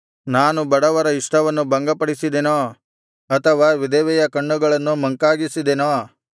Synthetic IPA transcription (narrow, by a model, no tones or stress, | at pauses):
naːnubɐɽɐʋɐɾɐɪʂʈʰɐʋɐnːubɐŋɡɐpɐɽisid̪eːnoː | ɐt̪ʰɐʋaːʋɪd̪eːʋɛjɐkɐɳːuɡɐɭɐnːumɐ̃ŋkaːɡisid̪eːnoː